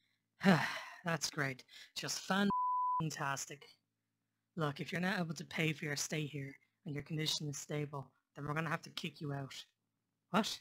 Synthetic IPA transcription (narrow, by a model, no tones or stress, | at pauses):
hʌðatsɡ̥ɹeɪtʌstfãnntʰastɪk | lʊkɪfjə˞nəʊeɪbəl̩ˠtʰəpʰeɪfə˞jə˞steɪhiɹ | ə̃njə˞kʰə̃ndɪʃə̃nɪz̥steɪbəlˠ | ðə̃nwɪɹɡʌnəɦaftəkʰɪkʰjəaʊt | wɒt